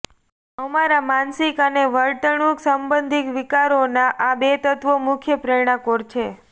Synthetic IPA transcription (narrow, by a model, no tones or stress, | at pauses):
əmaɾamansikəneʋəɾʈ̪əɳ̃uksəmbənd̪ʱikʋikaɾonaʔabet̪ət̪ʋomʊkʰjəpɾeɽ̃akoɾt͡ʃʰe